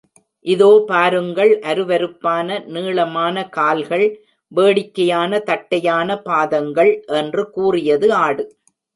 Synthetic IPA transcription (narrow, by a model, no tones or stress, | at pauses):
ʔɪðoːpaːɾɯŋɡɐɭʔɐɾɯʋɐɾɯpːaːnɐniːɭɐmaːnɐkaːlɣɐɭ | ʋeːɽɪkːɐjaːnɐt̪ɐʈːɐjaːnɐpaːðɐŋɡɐɭʔɛndrɯkuːrɪjɐðɯaːɽɯ